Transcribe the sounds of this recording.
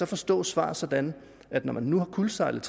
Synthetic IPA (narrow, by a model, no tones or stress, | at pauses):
sɒ̽fɒ̽sd̥ɔ̰ːsʋɑ̰̈ːsɒ̽d̥æn | æd̥nɒmænːuhɑ̈kʰulsɑ̈ɪlð̩ˠt͡sʰ